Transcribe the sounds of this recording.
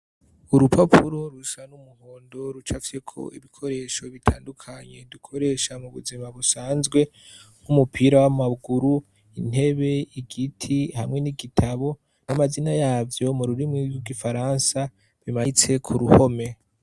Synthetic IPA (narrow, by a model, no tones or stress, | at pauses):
uɾupʰapʰuɾo̞ɾusanumuhoːndo̞ɾut͡ʃafi̥sekʰo̞̰ḭβikʰo̞ɾe̞ːʃo̞βitʰaːndukʰaɲe̞dukʰo̞ɾe̞ʃamuβṵzimaβusaːnzɡwe̞ | ŋumupʰiɾawamaɡuɾu | in̥e̞βe̞iɡitʰihamŋe̞niɡitʰaβo̞ | namazinajaːvjo̞muɾuɾimŋiwiɡifaɾansa | βimait͡se̞kʰuɾuho̞me̞